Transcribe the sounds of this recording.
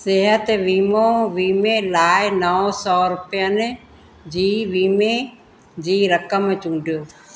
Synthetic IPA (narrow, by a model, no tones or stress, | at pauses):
sɪɦət̪ʋiːmõʋiːmẽlaːɪnɐɔ̃sɔːɾʊpɪjənɪ̆ | d͡ʑiːʋiːme | d͡ʑiːɾəkəmt͡ɕũːɳɖʱijoː